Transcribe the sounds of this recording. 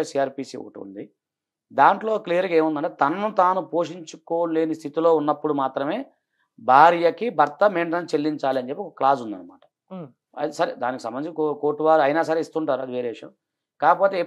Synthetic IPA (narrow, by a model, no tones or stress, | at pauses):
ɐsiːaːɾpiːsḭṵːʈṵnd̪i | d̪aːɳʈlo̞ːklijɐɾɡe̞ːmund̪ɐɳʈet̪ɐnːut̪aːnupo̞ːʂiɲt͡ʃuko̞ːle̞ːnist̪ʰit̪ilo̞ːunːɐpːuɽumaːt̪ɾɐme̞ː | bʱaːɾjɐkibʱɐɾt̪ɐmeːɳʈɐnt͡ʃe̞lːiɲt͡ʃaːliɐnd͡ʒepːiɔkːɐklaːsund̪ɐ̰nɐma̰ːʈɐ̥ | ɐ̰d̪isɐɾid̪aːnikisɐmbɐnit͡ʃkoːʈːuʋaːɾuɐjnaːs̬ɐɾeist̪uːɳʈaːɾuɐd̪iʋeːɾeːʋiʂjɐ̰m | kaːkɐpo̞ːt̪eː